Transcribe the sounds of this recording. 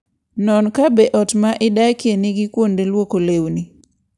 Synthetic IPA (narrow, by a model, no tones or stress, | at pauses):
nɔnkabeʔɔtmaʔɪdajkjenɪɡikwondelwokolewni